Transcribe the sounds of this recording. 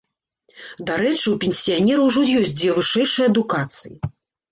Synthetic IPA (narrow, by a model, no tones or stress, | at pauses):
d̪aɾɛt͡ʂɨwpʲenʲsʲijanʲɛɾɐwʐɔjɔsʲtʲd͡zʲvʲɛvɨʂɛjʂɨjɐd̪ukat̪sɨjḭ